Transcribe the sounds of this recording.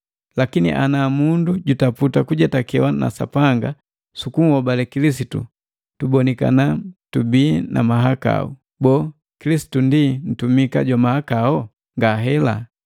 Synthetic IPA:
lakinḭʔanamunduɟutaputakuɟatakɛwana̰sa̰paŋɡa | sukuŋ̩hɔbalɛkilis̬itṵ | tubɔnɛka̰natubiːna̰maɦaka̰ṵ | bɔː | kilisi̥tundin̩tumikaɟwamahakaɔ | ŋɡaɦɛla̰

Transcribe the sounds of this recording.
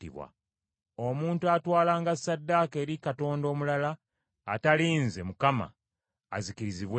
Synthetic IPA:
ḭβwa̰ | omuːntuatwaːlaːŋɡasːadːake̞ːɾikato̞ːndo̞ːmulala̰ː | taliːnze̞mukama̰ː | zikiɾiziβw

